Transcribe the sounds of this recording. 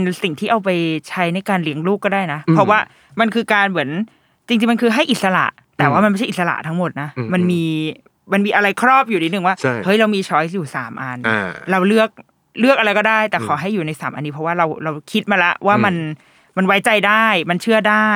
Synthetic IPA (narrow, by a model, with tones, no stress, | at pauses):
nsi˨˩ŋt̪ʰiː˥˩ʔa˧wpa˧jt͡ɕʰa˦˥jna˧jkaː˧nli˦əŋluː˥˩kːɔː˥˩daː˥˩jna˦˥pʰɾɔ˦˥waː˥˩ | ma˧nkʰɯː˧kaː˧nmɯ˩˦ən | t͡ɕi˧ŋt͡ɕi˧ŋma˧nkʰɯː˧ɦa˥˩jʔi˨˩t̪̚sa˧la̰˨˩ʔ | t̪ɛː˨˩waː˥˩ma˧nma˥˩jʰa˥˩˨sla̰˨˩t̪ʰa˦˥ŋmo˨˩t̪̚na˦˥ma˧nmiː˧ | ma˧nmiː˧ʔa˧ɾa˧jkʰɾɔː˥˩p̚juː˨˩t̪ʰiː˦˥nɯ˨˩ŋwaː˥˩˥hɤ˦˥jɾa˧wmiː˧t͡ɕʰɔː˦˥j̬juː˨˩saː˩˦mʔa˧nɾa˧wlɯ˥˩ək̚ | lɯ˥˩ək̚ʔa˧ɾa˧jkɔː˥˩daː˥˩jt̪ɛː˨˩kʰaː˩˦ɦa˥˩jːuː˨˩na˧jsaː˩˦mʔa̰˧nːiː˦˥pʰɔ˦˥waː˥˩ɾa˧wɾa˧wkʰi˦˥t̪̚maː˧lɛ˦˥waː˥˩ma˧n | ma˧nwa˦˥jt͡ɕa˧jdaː˥˩jma˧nt͡ɕʰɯ˥˩ədaː˥˩